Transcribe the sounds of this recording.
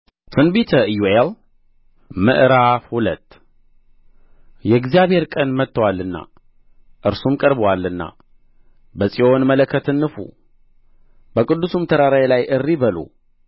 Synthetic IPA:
t̪ʰɨnbit̪ʰəjuel | mɨ̰ʔɾafhulət̪ː | jɛɡzjaβheɾkʼənmət̪ːəwalːɨnːa̰ | ʔɨɾsumkʼəɾbəwalːɨnːa̰ | bəsʼio̞nmələkʰːət̪ɨnːɨfṵ | bəkʼɨd̪ːusumt̪ʰəɾaɾajlajʔɨrːibəlṵ

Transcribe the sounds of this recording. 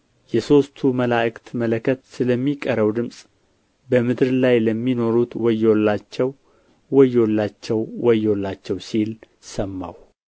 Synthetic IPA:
jɛso̞st̪ʰuməlaʔɨkt̪mələkʰət̪sɨləmːikʼəɾəwd̪ɨmsʼ | bəmɨd̪ɾlajləmːino̞ɾut̪wɔjːolːat͡ʃːɛw | wɔjːolːat͡ʃːɛwwɔjolːat͡ʃːɛwsil | səmːa̰w

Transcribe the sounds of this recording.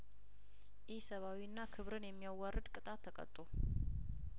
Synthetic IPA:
jɪhsəβawiɨnːakʰɨβɾɨnjɛmːijawarːɨd̪kʼɨt̪ʼat̪ʰːəkʼə̰t̪ʼːo

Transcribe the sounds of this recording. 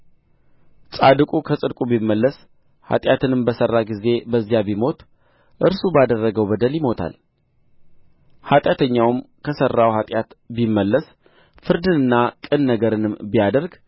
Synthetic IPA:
sʼad̪ɨkʼukʰəsʼɨd̪kʼubimːəlːəs | ha̰t̪ʼjat̪ʰɨnɨmbəsərːaɡize̞bəzːijabimo̞t̪ʰ | ʔɨɾsubad̪ərːəɡəwbəd̪əljɪmo̞t̪ʰa̰l | hat̪ʼjat̪ʰəɲːawɨmkʰəsərːawhat̪ʼjat̪bimːəlːəs | fɨɾd̪ɨnɨnːakʼɨnːəɡəɾɨnɨmbijad̪əɾɡ

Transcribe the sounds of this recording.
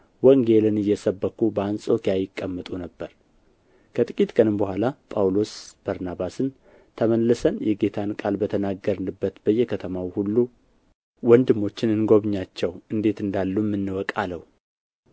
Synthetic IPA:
wəŋɡe̞lɨnɨjːɛsəbːəkːubəansʼokijajɪkʼːəmːət̪ʼunəbːəɾ | kʰət̪ʼɨkʼit̪kʼənɨmbəhʷalapʼawlo̞sb̥aɾnabasɨn | t̪ʰəməlːəsənjɛɡe̞t̪ʰankʼalbət̪ʰənaɡəɾɨnɨbːət̪bəjːɛkʰət̪ʰəmawhulːu | wɔnd̪ɨmːo̞t͡ʃːɪnɨnɡo̞βɨɲːat͡ʃːɛwɨnd̪e̞t̪ɨnd̪alːumːɨnːɨwɔkʼaləw

